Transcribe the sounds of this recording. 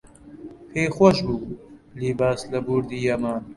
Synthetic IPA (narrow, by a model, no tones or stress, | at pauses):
hʰeːxwɔʃbuːliːbaːslɐbuːɾd̪iːjɐmɐ